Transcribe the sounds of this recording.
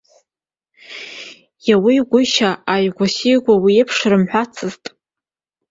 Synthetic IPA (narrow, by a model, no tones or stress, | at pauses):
jawijɡʷʊʃaajɡʷasijɡʷawiepʰʂɾɨmħʷᶣat͡sʰɨztʼ